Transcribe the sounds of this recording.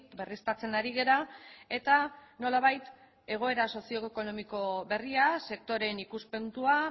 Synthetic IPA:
berist̪at͡se̞naɾiɣ̞e̞ɾae̞t̪ano̞laβajt̪ | e̞ɣ̞o̞e̞ɾaso̞sio̞ko̞no̞miko̞βe̞riase̞k̚t̪o̞ɾe̞nikuspe̞nt̪ua

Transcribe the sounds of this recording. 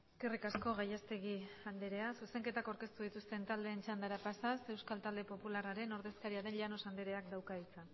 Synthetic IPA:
eske̞rikasko̞ɣajast̪e̞ɣiand̪eɾeasuse̞ŋke̞t̪akawɾke̞st̪uð̞it̪ust̪e̞nt̪ald̪e̞ːnt͡ʃand̪aɾapasase̞wskalt̪ald̪e̞po̞pularaɾe̞no̞ɾðe̞skaɾiaðe̞nʎano̞sand̪eɾe̞akd̪awkait͡sa

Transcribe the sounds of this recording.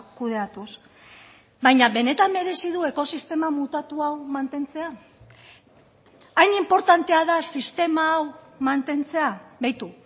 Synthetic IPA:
kuðe̞at̪us | βajɲaβe̞ne̞t̪ame̞ɾe̞siðue̞ko̞sist̪e̞mamut̪at̪uawmant̪e̞nt͡se̞a | jnimpo̞ɾt̪ant̪e̞aðasist̪e̞maːwmant̪e̞nt͡se̞aβejt̪u

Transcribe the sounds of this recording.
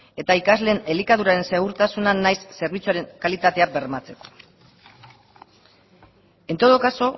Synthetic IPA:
e̞t̪aikazle̞ːnelikað̞uɾaɾe̞nse̞ɣ̞uɾt̪asunanːajsːe̞ɾβ̞it͡suaɾe̞ŋkalit̪at̪e̞abe̞ɾmat͡se̞ko̞̥ | e̞nt̪oð̞okaso̞

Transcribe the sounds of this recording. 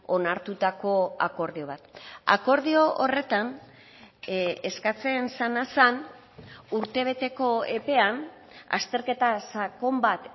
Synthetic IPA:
o̞naɾt̪ut̪ako̞ako̞ɾðio̞β̞at̪a̰ko̞ɾðio̞ore̞t̪an | eskat͡se̞nsanasan | uɾt̪e̞β̞e̞t̪e̞ko̞e̞pe̞an | a̰st̪e̞ɾke̞t̪asako̞mbat̪

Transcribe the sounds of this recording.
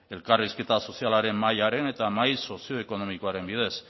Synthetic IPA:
e̞lkarisket̪aso̞sialaɾe̞mːajaɾe̞ne̞t̪amajso̞sio̞eko̞no̞miko̞aɾe̞mbið̞e̞s

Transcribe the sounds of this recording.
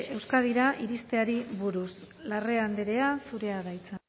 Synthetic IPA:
e̞wskaðiɾaʔiɾist̪e̞aɾiβuɾus | lare̞and̪eɾe̞asuɾe̞aðajt͡se

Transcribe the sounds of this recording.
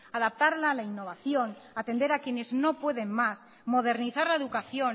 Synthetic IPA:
aðap̚t̪aɾlaːlainːo̞βaθjonat̪e̞nd̪eɾakjeneznopwe̞ð̞emmas | mo̞ð̞eɾniθaɾlaeðukaθjon

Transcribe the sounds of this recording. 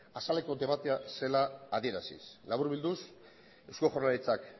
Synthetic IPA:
asale̞ko̞d̪eβat̪e̞ase̞laːðie̞ɾasḭslaβuɾβild̪us | ewskoxornalit͡sak

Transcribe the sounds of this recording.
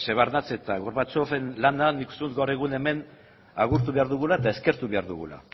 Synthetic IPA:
seβaɾnat͡se̞t̪aɣoɾβat͡sofenlananikust̪eut̪ɡawɾe̞ɣune̞me̞n | aɣuɾt̪uβe̞aɾðuɣ̞ulaet̪ae̞ske̞ɾt̪uβe̞aɾðuɣṵla̰

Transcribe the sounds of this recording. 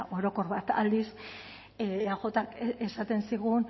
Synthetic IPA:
ʔo̞eɾo̞ko̞ɾβat̪a̰ld̪is | axo̞t̪akesat̪e̞nsiɣun

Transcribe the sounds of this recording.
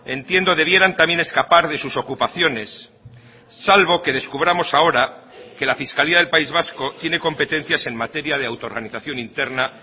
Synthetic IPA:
e̞nt̪je̞nd̪o̞ðe̞β̞je̞ɾant̪amje̞ne̞skapaɾðe̞suso̞kupaθjo̞ne̞sː | alβo̞ke̞ð̞e̞skuβ̞ɾamo̞sao̞ɾa | ke̞lafiskaliaðe̞lpaizβasko̞t̪je̞ne̞ko̞mpe̞t̪ẽ̞n̟θjase̞nmat̪e̞ɾjaðe̞awt̪o̞ɾɣaniθaθjo̞nint̪e̞ɾna

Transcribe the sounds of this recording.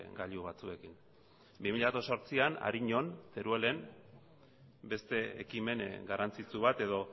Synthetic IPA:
ɡaʎuβat͡sue̞kin | bimiʎat̪oso̞ɾt͡siana̰ɾiɲo̞nt̪eɾuele̞m | be̞st̪e̞ḛkime̞nɡarant͡sit͡suβat̪e̞ðo̞

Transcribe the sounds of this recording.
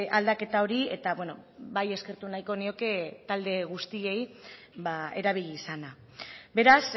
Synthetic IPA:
ald̪ake̞t̪ao̞ɾie̞t̪aβwe̞no̞baje̞ske̞ɾt̪unajko̞nio̞ke̞t̪ald̪e̞ɣ̞ust̪ie̞j | bae̞̰ɾaβ̞iʎiːsana | be̞ɾas

